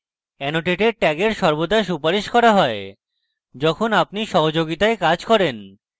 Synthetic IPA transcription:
ɛnoʈeʈeɾ̚ʈɛɡeɾʃɔɾbod̪aʃupaɾiʃkɔɾaɦɔe | d͡ʑɔkʰonap̚niʃɔɦod͡ʑoɡit̪aekad͡ʑkɔɾen

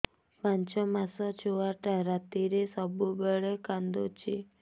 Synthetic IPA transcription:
pãnt͡ʃɔmasɔt͡ʃʰoaʈaɾat̪iɾesɔbubeɭekand̪ot͡ʃʰi

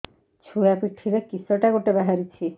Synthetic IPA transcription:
t͡ʃʰuakikʰɾiɾekisɔʈaɡoʈebaɦaɾit͡ɕʰi

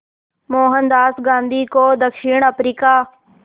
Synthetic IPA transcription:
moːɦənd̪aːsɡãːnd̪ʱiːkoːd̪əkʃiːɳəpɾiːkaː

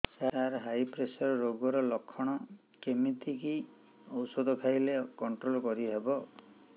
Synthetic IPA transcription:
saɾaɾɦajpɾesɔɾɔɾoɡɔɾɔlɔkʰːɔɽ̃ɔ | kemit̪ʰiki | ɔwsɔd̪ʱɔkʰajlekɔɳʈɾolkɔɾiɦebɔ

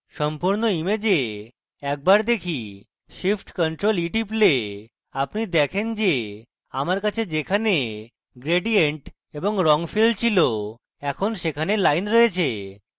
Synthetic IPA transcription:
ʃɔmpuɾnoimed͡ʑe | ɛk̚baɾd̪ekʰi | ʃifʈkɔɳʈɾoliʈiple | apnid̪ɛkʰend͡ʑe | amaɾkat͡ɕʰed͡ʑekʰane | ɡɾeɖieɳʈ | eboŋɾɔŋfilɖt͡ɕʰilo | ɛkʰonʃekʰanelajnɾɔet͡ɕʰe

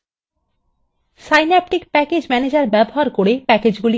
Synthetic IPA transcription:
sajnɛp̚ʈikpɛked͡ʑmɛned͡ʑaɾbɛboɦaɾkoɾepɛked͡ʑɡuli

